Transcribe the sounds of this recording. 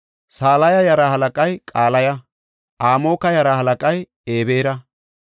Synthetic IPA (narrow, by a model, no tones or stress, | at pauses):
saːlɐjɐjɐɾahɐlɐkʼɐjkʼaːlɐjɐ | ʔaːmo̞ːkɐjɐɾahɐlɐkʼɐj | e̞ːbeːɾɐ